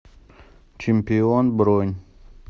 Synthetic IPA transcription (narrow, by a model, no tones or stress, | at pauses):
t͡ʃimpionbɾoɲ